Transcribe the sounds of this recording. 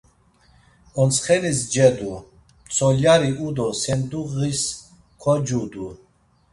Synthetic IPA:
ɔnt͡sχɛnisd͡ʒɛd̪u | mt͡sʰɔljaɾiʔud̪ɔsɛnd̪uʁis | kʰɔd͡ʒud̪u

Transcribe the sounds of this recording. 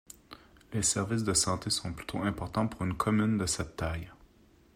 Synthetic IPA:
lesɛʁvɪs̬d̪əsɑ̃t̪esɔ̃ply̥t̪ʰoɛ̃pɔʁt̪ɑ̃puʁynkʰɔmynd̪əsɛt̪ːaj

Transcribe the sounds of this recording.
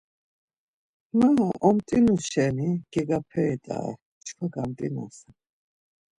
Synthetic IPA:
maʔɔmt̪ʼinuʃɛniɡ̥ɛɡapʰɛːt̪ʼa̰ | t͡ʃkʰaɡamt̪ʼina̰sa

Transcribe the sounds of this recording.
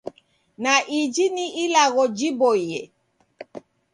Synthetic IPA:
naʔid͡ʒiniʔilaɣɔd͡ʒibɔjɛ

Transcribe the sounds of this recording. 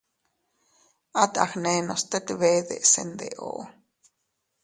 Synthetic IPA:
at̪a̰xnenost̪et̪βeðḛʔsḛnd̪ḛʔo̰ʔ

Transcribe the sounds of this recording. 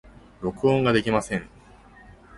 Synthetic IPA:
ɾo̞kɯ̟õŋɡad̪e̞kʲimasẽ̞ŋ

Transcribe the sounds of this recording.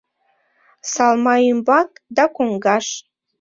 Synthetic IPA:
sɑlˠmɑimbɑkd̪ɑkʷoŋɡɑʂ

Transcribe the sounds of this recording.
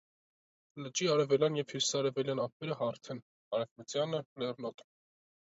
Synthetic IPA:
lət͡ʃiɑɾɛvɛljɑnjɛv̥hjusi̥sɑɾɛvɛljɑnɑpɛɾəhɑɾt̪ʰɛn | ɑɾɛvmət͡sjɑnəlɛrnɔt̪ʰʼ

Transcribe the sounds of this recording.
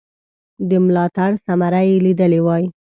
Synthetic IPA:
d̪əmlɑt̪aɽsamaɾajelid̪əlewɑji

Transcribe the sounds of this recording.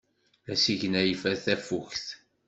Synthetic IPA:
æsiʝənæjfæθæfuçθ

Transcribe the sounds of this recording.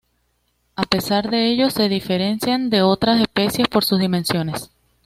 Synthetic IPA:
ape̞saɾðe̞e̞ʝo̞se̞ðife̞ɾe̞nsjand̪e̞o̞t̪ɾase̞spe̞sje̞spo̞ɾsuzðime̞nsjo̞ne̞s

